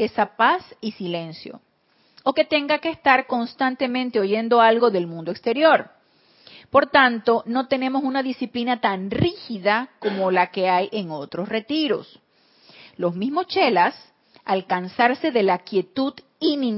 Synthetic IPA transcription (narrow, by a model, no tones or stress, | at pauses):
e̞sapasisile̞nsjo̞̰ | oke̞t̪e̞ŋɡakeːst̪aɾko̞nst̪ant̪e̞mẽnt̪e̞o̞ʝe̞nd̪o̞alɡo̞ðe̞lmũnd̪oekst̪e̞ɾjo̞ɾ | po̞ɾt̪ant̪o̞no̞t̪e̞ne̞mo̞sunaðisiplinat̪anrixiðako̞mo̞lake̞ajʔe̞ŋo̞t̪ɾo̞sre̞t̪iɾo̞̰s | lo̞zmizmo̞st͡ʃe̞las | alkansaɾse̞ðelakje̞t̪uð | ini